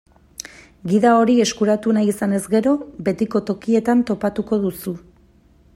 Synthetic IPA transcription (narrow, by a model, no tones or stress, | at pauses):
ɡiðao̞ɾie̞skuɾat̪unajisane̞zɡe̞ɾo̞be̞t̪iko̞t̪o̞kie̞t̪ant̪o̞pat̪uko̞ðusu